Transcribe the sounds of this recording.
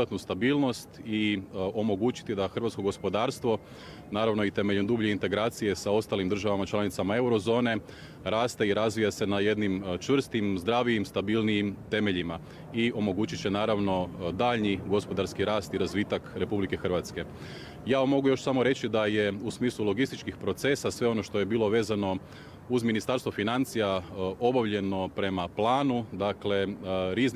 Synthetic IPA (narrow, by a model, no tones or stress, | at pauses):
at̪nust̪abiːlno̞st̪io̞mo̞ɡuːt͡ʃi̥t̪id̪axɾr̩ʋat̪sko̞ɡo̞spo̞d̪aːɾst̪ʋo | naːɾaʋno̞it̪e̞me̞ʎond̪uːbʎeint̪e̞ɡɾaːt̪sije̞sao̞st̪alimd̪ɾr̩ʒaʋamat͡ʃlanit̪samae̞wɾo̞zo̞ːne̞ | ɾaːst̪eiɾazʋijase̞naje̞d̪nimt͡ʃʋr̩st̪imzd̪ɾaːʋijimst̪abilnijimt̪e̞me̞ʎima | io̞mo̞ɡuːt͡ʃit͡ʃenaːɾaʋno̞d̪aːʎɲiɡo̞spo̞d̪aɾskiɾaːst̪iɾazʋit̪akɾe̞publike̞xr̩ʋat̪ske̞ | jaːʋamːo̞ɡujo̞ʃsamo̞ɾe̞t͡ɕid̪aje̞usmiːslˠulo̞ɡist̪it͡ʃkixpɾo̞t̪se̞sasʋe̞o̞no̞ʃt̪o̞je̞biːlˠo̞ʋe̞ːzano̞ | uzminist̪aɾst̪ʋofinant̪sijao̞baʋʎe̞no̞pɾe̞maplˠaːnud̪akleɾizn